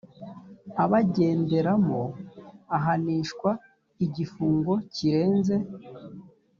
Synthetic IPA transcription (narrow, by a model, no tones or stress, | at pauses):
aβaɟe̞ːnde̞ɾamoaɦaniːʃkwa | iɟifuːŋɡo̞ciɾe̞ːnze̞